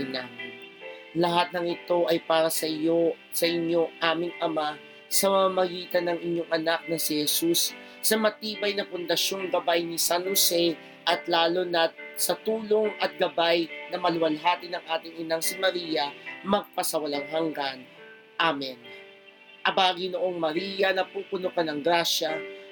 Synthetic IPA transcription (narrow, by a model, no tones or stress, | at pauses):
ɪna | lɐɦat̪̚nɐŋɪt̪o̞ʔɐjpaːɾɐsɐʔɪjo | sɐʔɪɲo̞ʔaːmɪŋʔɐma | sɐmɐmamɐɡiːt̪ɐnɐŋɪɲjo̞ŋʔɐnak̚nɐsihɛsusː | ɐmɐt̪iːbɐjnɐpʊnd̪ɐʃo̞ŋɡɐbajnɪsanhosɛ | ʔɐt̪laːlonɐt̪̚sɐt̪uːlo̞ŋɐt̪̚ɡɐbajnɐmɐlʊwɐlɦaːt̪inɐŋʔaːt̪ɪŋɪnaŋsɪmɐɾiːjɐmɐɡ̚pɐsɐwɐlaŋɦɐŋɡan | ʔamɛn | ʔɐbaːɡinoʔo̞ŋmɐɾiːjɐnɐpuːpʊnokɐnɐŋɡɾaːʃɐ